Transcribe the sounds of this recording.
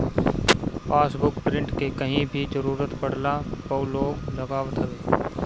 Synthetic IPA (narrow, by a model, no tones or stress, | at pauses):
paːsbʊkpɾɪ̃ɳʈkekɐɦĩbʱid͡ʒəɾuːɾət̪pɐɽ̤lapoːloːɡlɐɡaːʋt̪ɦəʋeː